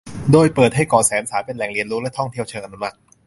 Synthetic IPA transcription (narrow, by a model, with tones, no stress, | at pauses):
doː˧jpɤː˨˩t̪̚ha˥˩jkɔː˨˩sɛː˩˦nsaː˩˦pe˧nlɛ˨˩ŋli˧nlu˦˥klɛ˦˥t̪ʰɔ˥˩ŋt̪ʰi˩əwt͡ɕʰɤː˧ʔnu˧ma˦˥t̚